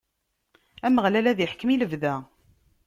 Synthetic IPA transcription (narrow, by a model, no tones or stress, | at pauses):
æməʁlælæðiħkːmiləvðæ